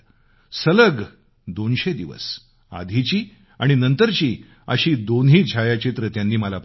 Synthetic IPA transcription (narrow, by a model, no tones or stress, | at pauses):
sələɡ | d̪onɕed̪iʋə̰s | a̰d̪ʱit͡ɕiː | aɽ̃inənt̪əɾt͡ɕiː | ə̰ɕiːd̪onɦiːd͡ʑʱajat͡ɕit̪ɾət̪jãnːiːməlap